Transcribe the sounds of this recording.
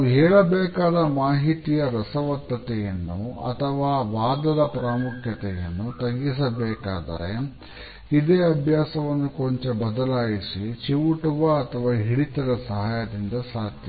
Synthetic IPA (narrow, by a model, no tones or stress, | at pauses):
ɦɛːɭɐbɛːkaːd̪ɐmaːɦit̪ijɐɾɐsɐʋɐt̪ːɐt̪ɛjɐnːṵɐ̰t̪ʰɐʋaːʋaːd̪ɐd̪ɐpɾaːmukʰjɐt̪ɛjɐ̰nːut̪ɐɡis̬ɐbeːkaːd̪ɐ̰ɾḛ | id̪eːɐbʱjaːsɐʋɐnːukoɲt͡ʃebɐd̪ɐlaːjisit͡ʃiʋuʈuʋɐːt̪ʰɐʋaːɦiɽit̪ɐd̪ɐsɐɦaːjɐd̪ind̪ɐsaːd̪jɐ